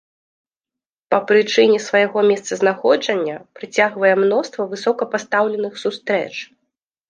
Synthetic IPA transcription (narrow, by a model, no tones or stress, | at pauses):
pɐpɾɨt͡ʂɨnʲɛsvɐjaɣɔmʲɛst̪sɐznaxɔd͡ʐɐnʲːɐpɾɨt͡sʲaɣvɐjɛmnɔst̪vɐvɨsɔkɐpast̪awlʲɛnɨxsust̪ɾɛ̰t͡ʂ